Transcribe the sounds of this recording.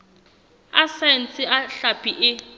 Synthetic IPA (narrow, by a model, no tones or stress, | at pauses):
a̰sɛn̩t͡sʰʼɪaɬapʼiʔɪ